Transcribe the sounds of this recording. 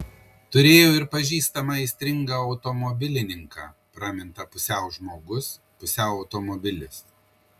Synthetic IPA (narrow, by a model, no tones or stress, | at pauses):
t̪ʊɾʲeːjoːɪɾpɐʒʲiːst̪ɐmɐɪsʲt̪ʲɾʲɪŋɡɐːɒʊt̪ɔmɔbʲɪlʲɪnʲɪŋkɑ̰ːpɾɑːmʲɪnt̪ɐpʊsʲɛˑʊʒmoːɡʊs | pʊsʲɛˑʊɐʊt̪ɔmɔbʲɪlʲɪs